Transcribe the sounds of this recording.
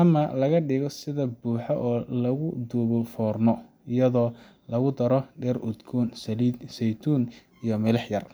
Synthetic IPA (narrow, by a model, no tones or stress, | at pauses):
ʔɐmɐlɐɣɐɖɪɣɔsɪðɐbuːħɔʔɔːlɐɣʊd̪uɣɔfɔːrnɔ | ɪjɐðɔː | lɐɣʊd̪ɐɾɔɖɛːrʊd̪ɡʰuːnslid̪sɛjt̪ʰuːn | ijɞmɪlɐħjɐr